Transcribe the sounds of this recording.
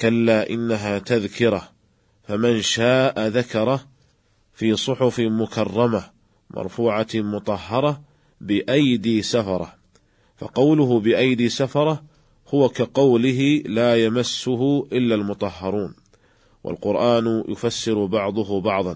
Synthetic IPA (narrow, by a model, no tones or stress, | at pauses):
kalːaːʔɪnːaɦaːt̪aðkɪɾˤɑ | famanʃaːʔaðakɑɾˤɑ | fiːsˤʊħʊfɪmʊkɑrˤːɑma | mʔɑ̰ɾˤfuːʕamʊt̪ˤɑhːɑɾˤɑ | bɪʔajd̪iːsafɑɾˤɑ̰ | fɑ̰qɑwlʊɦʊbɪʔajd̪iːsafɑɾˤɑ | hʊwakaqɑwlɪɦɪlaːjamasːʊɦʊʔɪlːalmʊt̪ˤɑhːɑɾˤuːn | wʔa̰lqʊɾʔaːnjʔʊ̰fasːɪɾʊbɑʕd̪ˤʊɦʊbɑʕðˤɑn